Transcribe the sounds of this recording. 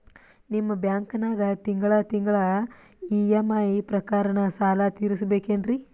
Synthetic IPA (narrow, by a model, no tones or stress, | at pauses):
nimːɐbjaːŋkɐnaːɡɐt̪iŋɡɐɭɐt̪iŋɡɐɭɐ | ijemːaːjipɾɐkaːɾɐɳɐsaːlɐt̪iːɾisɐbeːkeːɳɖɾi